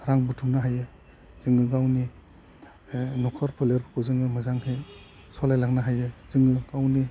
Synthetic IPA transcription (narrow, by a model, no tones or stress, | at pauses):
ɾaŋbutʰumnaɦajɯ | z̥ɯŋɡɯɡawni | nɔkʰɔɾpʰɯleɾʰkʰuzɯŋɯmɯzaŋhej | sɔlajlaknaɦajɯzɯŋɡɯɡ̥awni